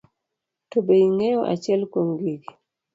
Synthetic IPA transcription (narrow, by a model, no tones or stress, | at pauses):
tobeiŋɛjɔʔa̰t͡ʃjɛlkwoŋɡiɡi